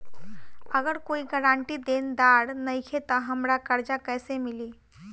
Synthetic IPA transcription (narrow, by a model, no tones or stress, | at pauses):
əɡəɾkoːiɡəɾãːɳʈid̪end̪aɽnəɪkʰet̪ɔɦəmɾakəɾd͡ʒakɛːsemɪli